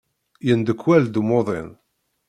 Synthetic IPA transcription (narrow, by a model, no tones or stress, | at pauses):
jənd̪əkʷːwæld̪umoðˤḛn